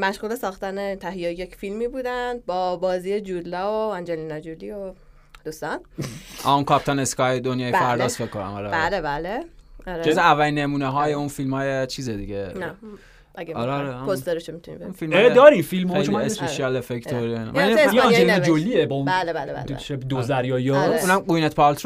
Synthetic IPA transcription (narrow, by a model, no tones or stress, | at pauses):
mæʃɣuːlesɒːxt̪ænet̪ʰæɦejejjecfilmiːbuːd̪ænd̪̚bɒːbɒːziːed͡ʒud̪lɒːoɑnd͡ʒelinɒd͡ʒolːio | d̪uːst̪ɒnʔæunkʰɒpt̪ʰɑneskɒjd̪onjɒːjepæɾdd̪ɒːsfekʰːonæ̰mɒːɾebælebæleɒɾezævːælinːemuːneɦɒːjeunfilmhɒːjet͡ʃʰiːzed̪iɟenæ | æɡeɒ̰ɾɾeposd̪eɾeʃomit̪ʰunḭmbeunfilmed̪ɒːɾifilmɔeʃomesspeʃiælefekt̪ʰoɾin̰miɒnd͡ʒelinɔd͡ʒolːiebɒũnælebælebæ̰l̰ʃebd̪ozæɾjɒːjounæmɡujnet̪pʰɒlt̪